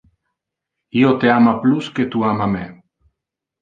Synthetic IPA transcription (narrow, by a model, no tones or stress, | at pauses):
iot̪eamaplusket̪uamame